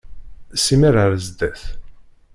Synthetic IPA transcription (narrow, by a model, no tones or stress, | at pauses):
simiɾəɾəzd̪æθ